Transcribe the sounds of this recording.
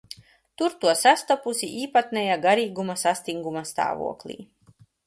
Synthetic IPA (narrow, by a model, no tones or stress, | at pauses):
t̪uɾt̪uɔsast̪ɔpusiʔiːpat̪nɛjaɡaɾiːɡumasast̪iŋɡumast̪a̰ːvṵɔklʲˠḭː